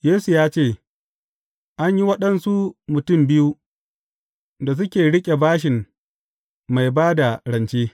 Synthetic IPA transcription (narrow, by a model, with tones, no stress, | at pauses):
jeː˦su˨jaː˦t͡ʃeː˦˨ | ʔa˦ɲji˦wɐ˦ɗɐ˨nsu˦mʊ˨tʊ˦˨mbɪ˦ju˦ | da˨s̬ʊ˦kʲeː˨ɽɪ˦kʲʼe˨baː˦ʃɪ˨m | ma˨jbaː˦da˨ɽɐ˨nt͡ʃeː˦